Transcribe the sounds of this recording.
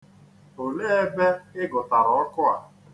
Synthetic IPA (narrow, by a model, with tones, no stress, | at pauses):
o˨le˦e˦be˦ɪ˦ɡʊ˨ta˨ɾɔ˨ɔ˦kʊ˦a̰˨